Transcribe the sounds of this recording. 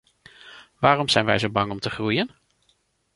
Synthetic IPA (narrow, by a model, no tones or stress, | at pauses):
ʋaːrɔmz̥ɛjnʋɛjzowbɑŋɔmtəχrujən